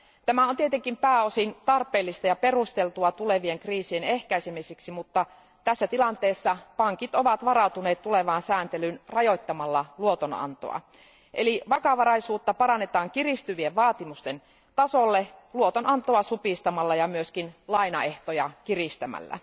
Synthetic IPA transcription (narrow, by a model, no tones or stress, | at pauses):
t̪æmæont̪iet̪eŋkimpæːosint̪ɑrpˑeːlːist̪ɑjɑperust̪elt̪uɑt̪uleʋieŋkriːsienehkæisemisiksimut̪ːɑ | t̪æsːæt̪ilɑnt̪eːsːɑpɑŋkit̪oʋɑt̪ʋɑrɑut̪uneːt̪tuleʋɑːnsæːnt̪elynrɑjot̪ːɑmɑlːɑluot̪onɑ̰nt̪o̰ɑ̰ | ʔḛliʋɑkɑʋɑɾɑisuːt̪ːɑpɑrɑnːet̪ɑːŋkirist̪yʋieʋʋɑːt̪imust̪en | t̪ɑsolːeluot̪onɑnt̪oɑsupist̪ɑmɑlːɑjɑmyøskinlɑinɑeht̪ojɑkirist̪æmæ̰lːæ̰